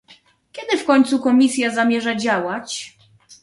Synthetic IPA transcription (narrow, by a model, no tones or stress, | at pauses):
kʲɛd̪ɘfkɔɲt̪sukɔmʲisʲjazamʲjɛʐad͡ʑawat͡ɕ